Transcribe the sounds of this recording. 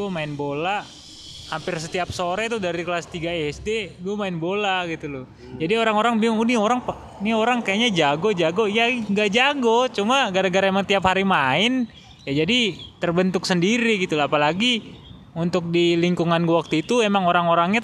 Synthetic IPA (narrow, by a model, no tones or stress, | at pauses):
ɡuamaɪnbola | hampɪrsət̪iap̚soɾɛt̪udaɾikəlast̪iɡaeɛsdeɡuamaɪnbolaɡit̪ulʊ | d͡ʒadioɾaŋoɾaŋbiŋunioɾaŋp | nioɾaŋkajaɲad͡ʒaɡod͡ʒaɡojaŋɡad͡ʒaɡot͡ʃumaɡaɾaɡaɾaemaŋt̪iaphaɾimaɪn | jad͡ʒadit̪ərbənt̪ʊksəndiɾiɡit̪ulaːpalaɡi | unt̪ʊk̚diliŋkuŋanɡwak̚t̪uit̪uemaŋoɾaŋoɾaŋɲa